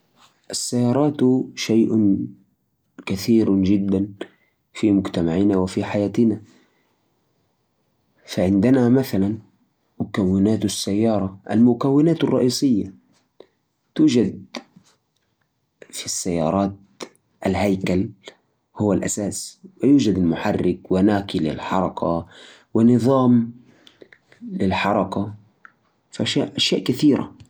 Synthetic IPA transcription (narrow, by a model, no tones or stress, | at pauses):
ʔasːajːɑːɾˤɑːt̪ʃajʔʊ | kaθiːɾd͡ʒɪd̪ːan | fimʊɡt̪amaʕɪnawɪfiħajaːt̪ɪna | faʕɪnd̪ɪnamaθalan | mʊkawːɪnaːt̪asːajːɑːɾˤɑʔa̰lmʊkawːɪnaːt̪ɑrˤːɑ̰ʔiːsˤɪjːa | t̪uːd͡ʒad̪̚ | fisːajːɑ̰ːɾˤɑːt̪̚ | ʔalɦajkal | hʊwːalʔasaːswɪjuːd͡ʒad̪almʊħarːɪkwɪnaːkilɪ̰lħɑɾˤɑka | wɪnɨðˤɑːm | lɪlħɑɾˤɑka | faʔaʃaːʔʔaʃjaːʔkaθiːɾa̰